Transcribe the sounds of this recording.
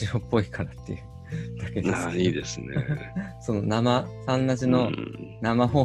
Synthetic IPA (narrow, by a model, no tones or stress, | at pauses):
iɾopːo̞ikʰaɾat̪ːe̞̰jɯ̟ | d̪ake̞d̪eaiːd̪e̞sɨnḛso̞no̞namasãnːaʑino̞namaɦo̞ː